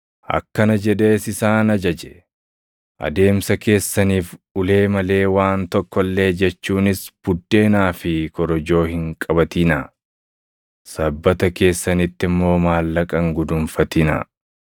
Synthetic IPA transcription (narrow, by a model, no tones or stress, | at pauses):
ʔɐ̰kːɐnɐd͡ʒɛd̪e̞ːsɪsaːnɐd͡ʒɐd͡ʒɛ̥ | ʔɐ̰d̪e̞ːmsɐke̞ːsːɐniːfʔʊle̞ːmɐle̞ːwaːnt̪ɔkːɔlːe̞ːd͡ʒɛt͡ʃːuːnɪsb̥ʊd̪ːe̞ːnaːfɪkɔɾɔd͡ʒo̞ːhɪŋkʼɐbɐt̪ɪnɐ | sɐbːɐt̪ɐke̞ːsːɐnɪt̪ːɪmːo̞ːmaːlːɐkʼɐŋɡʊd̪ʊmfɐt̪ɪnɐ̰